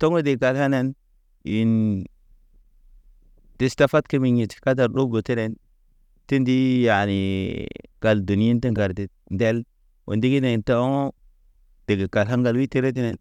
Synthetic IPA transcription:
to˦ŋo˦de˨ɡa˨lha˦ne˦n | i˨n | d̥i˨sta˦fa˦tki˦mi˨ɲi˨tka˦ta˨ɾdo˦bo˨ti˦ne˨n | ti˦ndi˦ja˨ni˨ | ɡ̥a˨ldu˨ni˦i˦nti˦ŋɡa˨ɾti˨ | nde˦l | wo̰˨ndi˦ɡi˦ne˨nta˦ŋ˦ | d̥e˨ɡe˨ɡa˨lɦa˦nɡa˨lwi˦te˦ɾe˦t̬i˦ne˨n

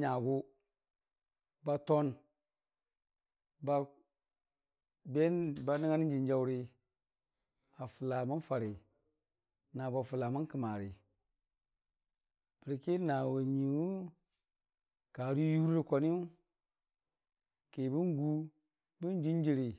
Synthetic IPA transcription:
ɲa˨ɡu˦ | ba˦to˦n | ba˦ | be˦nba˦ni˦ŋa˦ni˦n˦d͡ʒi˨nd͡ʒa˦wɾi˦ | a˨fu˨la˨ma˦n˦fa˨ɾi˨ | na˨ba˨fu˨la˨ma˦n˦ki˨ma˨ɾi˨ | b̥i˨ɾi˨ki˦na˨wa˨ɲi˨wu˦ | ka˨ɾi˦ju˦ɾɾi˦ko˨ni˦u˦ | ke˨bi˦ŋ˦ɡu˦ | bi˦n˦d͡ʒi˦n˦d͡ʒi˨ɾi˨

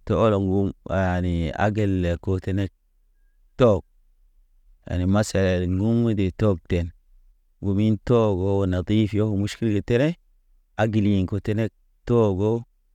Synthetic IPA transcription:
to˦o˦lo˨ŋɡu˦ma˨ni˨a̰˦ɡe˦le˨ko˦te˦ne˦k̚ | to˦˨ɡ̚ | ja̰˨ni˨ma˦sa˨le˨ŋɡu˦mu˦de˨to˦ɡ̚te˨n | ɡu˨mi˦nto˦ɡo˦˨na˨d̪i˦fjo˦˨mu˦ʃki˦lɡe˨te˦ne˦ | a˦ɡi˨li˨ŋko˨te˦ne˦k̚ | to˦ɡo˦

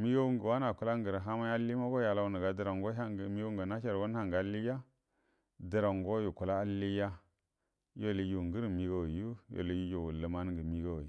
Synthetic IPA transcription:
mi˦ɡa˦wu˦ŋɡə˨wa˦na˨ku˦la˦ŋ˦ɡə˨ɾɦa˦ma˦ja˦li˦ma˦ɡo˦ja˨la˦u˦nə˨ɡa˨də˦˨ɾa˨ŋɡo˦a˦˨mi˦ɡŋɡa˨na˦ʃa˨ɾwo˦n˦ha˦˨ŋɡa˨li˦ja˦ | də˨ɾa˨ŋ˨ɡo˦ju˨ku˨la˦a˦li˦ja˦ | jo˦˨li˨ju˨ŋɡə˦ɾmi˦ɡo˦˨wju˦jo̰˨li˨ju˦ju˨wu˨lə˨ma˦n˦ɡə˨mi˦ɡa˦w

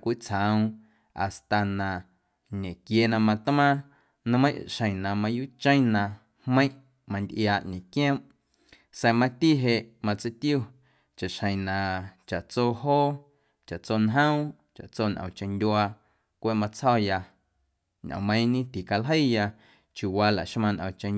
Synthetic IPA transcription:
kʷi˦t͡sʰhã˨w̃ | a̰˨st̪a˨nã˨ | ɲẽ˨kje˧nã˧mã˧t̪mã˦ | nɔ̃˧˦mə̃˦ʃə̃˨j̃nã˨mã˧ju˦t͡ʃə̃˦j̃nã˧ | hmə̃˦j̃ʔ | mã˧nd̪ʔjaː˧˨ʔɲẽ˨kjẽ˦m | sɛ˧mã˧t̪i˦ɦe˧ʔmã˧t͡sə˧˦t̪i˦u˦˨ | t͡ʃa˨ʃhə̃˨nã˨t͡ʃa˨ʔt͡soː˧ɦoː˦ | t͡ʃa˨t͡soː˧nɦə̃˦ | t͡ʃa̰˨ʔt͡soː˦˧˨nʔə̰̃˨t͡ʃə̃˧nd̪ʲwaː˧ | kʷe˦ʔmã˧t͡shɔ˦ja˧ | ɲʔə̰̃˨mə̃˧j̃nĩ˦t̪i˨ka˧lɦə˦˨ja˧ | t͡ʃju˨wa˧la̰˨ʔʃmã˧nʔə̰̃˨t͡ʃə̃˧

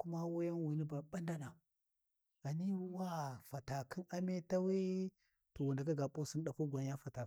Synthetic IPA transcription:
ku˦ma˦wo˦ja˦nwu˨ni˦ba˨ɓa˦nda˦na˨ | a˨ni˦wa˦fa˨ta˨kʰi˦na˦me˦ta˦we˦ | to˨wu˨nda˨ka˦ɡa˨po˦si˦nɗa˨pu˦ɡʷa˨ɲ˦ja˦fa˨ta˨

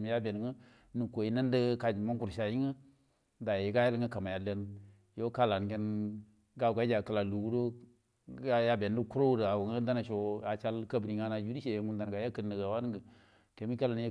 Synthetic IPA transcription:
m˦ja˦be˨n˨ŋə˦ | nu˨ko˨i˦nə˦ndə˦ka˨d͡ʒma˦ŋku˨ɾʃa˨ji˦ŋə˦ | da˨je˨ɡa˦ja˦lŋə˦ka˨ma˨ja˨le˦n | jo˦ka˦la˨nɡe˦n | ɡa˦˨ka˦d͡ʒa˨kə˦˨la˨lu˨ɡu˦do˦ | ja˦be˨n˦də˦ku˦ɾo˦wu˦də˨a˨wu˨ŋə˦da˦na˨ʃo˨a˨t͡ʃa˦lkə˦bɾi˨ŋa˦na˨d͡ʒu˦di˦ʃe˨je˨ŋu˦nda˨n˨ɡa˨ja˦kə˦nːə˨ɡa˨wa˦n˦ɡə˨ | ke˨mi˦ka˦la˨n˦j

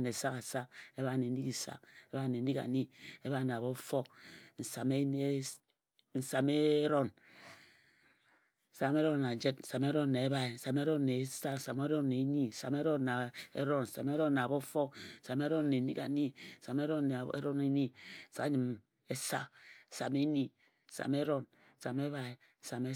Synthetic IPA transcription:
ne˨sa˦ka˨sa˦ke˦βa˦˨ne˨˦i˦ki˨sa̰˦˨ke˦ba˦˨ne˨˦i˦ka̰˨ni˦e˦βa˦˨na˨βo˦fo˦kn̩˨sa˨me˦ | n̩˨sa˨me˦ɾo˦n˨ | sa˨me˦ɾo˦nːa˨d͡ʒe˦tn̩˨sa˨me˦ɾo˦nːe˨e˦ba˦e˨n̩˨sa˨me˦ɾo˦nː˨e˨˦sa˦n̩˨sa˨me˦ɾo˦nː˨e˨˦ni˦n̩˨sa̰˨me˦ɾo˦nːa˨ḛ˦ɾo˦nn̩˨sa˨me˦ɾo˦na˨bo˦fo˦kn̩˨sa˨me˦ɾo˦nːe˨ni˦ka̰˨˦ni˦n̩˨sa˨me˦ɾo˦n˨ḛ˦ɾo˦ne˦ni˦n̩˨sa˦ɲi˨m | e˦sa˦n̩˨sa̰˨me˦ni˦ | n̩˨sa̰˨me˦ɾo˦n | n̩˨sa˨me˦βa˨e˨ | n̩˨sa˨me˦

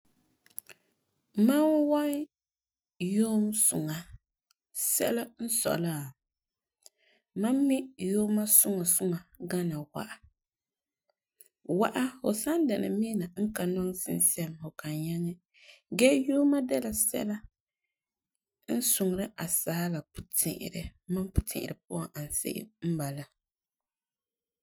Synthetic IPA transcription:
ma˦nwa˦n | joː˦msʊ˨ŋa˨ | sɛ̰˦la˦n̩˦sɔ̰˨la˦˨ | ma˦mːɪ˦joː˦ma˦sʊ˦ŋa˨sʊ˦ŋa˨ɡa˦na˨wa̰˦ʔa˨ | wa˦ʔa˦ho˨sa˦nda˨na̰˨mi˦na˨ŋ̩˦ka˨nɔ˦ŋ˦sɪ̰˦nsɛ˦mho˨ka˨ɲa˦ŋɛ˦ | ɡɛ˦joː˦ma˦dɛ˦la˨sɛ̰˦la˦ | n̩˦sʊ˨ŋ˨ɾɨ˦ʔa˨sa˨˦a˦la˨pu˨tʰɪ̰˨ʔɪ̰˨ɾɨ˨ma˦mpʊ̥˨tʰɪ̰̃˨ʔɪ̰˨ɾɨ˨p̚ʊ˦a˨ŋʔa˨n˨sɪ̰˦ʔɪ̰˦m̩˦ba˨la˨

